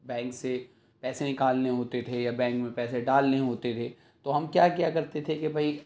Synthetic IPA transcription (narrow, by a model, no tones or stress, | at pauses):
bɛ̃ːŋkse | pɛːsenɪkaːlneɦoːt̪et̪ʰejabɛ̃ːŋkmẽpɛːseɖaːlneɦoːt̪et̪ʰeː | t̪oɦɐmkjaːkjakɐɾt̪et̪ʰekebʱɐi